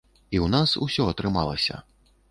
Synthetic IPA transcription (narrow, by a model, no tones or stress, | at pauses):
iwnasṵsʲɔɐt̪ɾɨma̰lˠɐsʲɐ̰